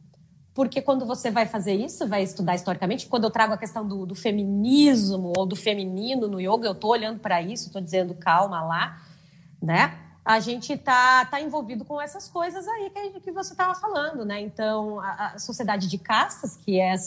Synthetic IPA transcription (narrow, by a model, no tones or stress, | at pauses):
poɾkekwɐ̃nd̪ʊvosevajfazeɾisʊʊvajɪst̪ud̪aɾist̪ɔɾikɐmẽnt͡ʃɪ̥kɐ̃nd̪ewt̪ɾaɡʊɐkest̪ɐ̃w̃d̪ʊd̪ʊfemĩnizmʊowd̪ʊfeminĩnʊnʊioɡʊewt̪ooʎɐ̃nd̪ʊpɾɐisʊet̪od͡ʒizẽnd̪ʊkawmɐla | nɛ | aʒẽnt͡ʃɪt̪at̪aẽvowvid̪ʊkõw̃ɛsɐskojzɐzaikɪkɪvoset̪avɐfalɐ̃nd̪ʊnɛẽnt̪ɐ̃w̃ɐʔɐsosied̪ad͡ʒɪd͡ʒɪkast̪ɐskʰɪɛ